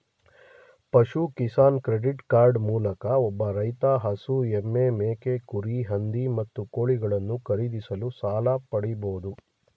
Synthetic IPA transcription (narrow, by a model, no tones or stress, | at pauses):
pɐʃukisaːnkɾeɖiʈkaːɾɖmuːlɐkɐɔbːɐɾɐjt̪aːɦɐsuemːemeːkekuɾiɦɐnd̪imɐt̪ːukoːɭiɡɐɭɐnːukɐɾid̪isɐlusaːlɐpɐɽiboːd̪u